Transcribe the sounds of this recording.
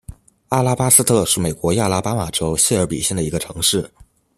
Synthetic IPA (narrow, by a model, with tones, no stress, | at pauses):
a˥˩la˥pa˥sɹ̩˥t̪ʰɤ˥˧ʂɻ̩˥˩me˨˩ɪkwɔ˧˥ja˥˩la˥pa˥ma˨˩ʈ͡ʂo˥ʊɕɛ˥˧ə˞˧˥pḭ˨˩ɕjɛ˥˩nd̪ə˩i˧˥ɡə˧ʈ͡ʂʰɤ˧˥ŋʂɻ̩˥˩